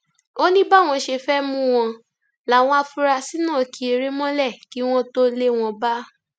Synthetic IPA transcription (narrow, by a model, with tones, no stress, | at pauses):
o˦nĩ˦ba˦˨w̃ɔ̃˧ʃe˧fɛ˦mũ˦w̃ɔ̃˧ | la˨w̃ɔ̃˧a˧fu˧˦ɾa˧si˦nãː˦˨ki˧˦e˧ɾe˦mɔ̃˦lɛ˦˨ki˨˦w̃ɔ̃˦to˦le˦w̃ɔ̃˧ba˦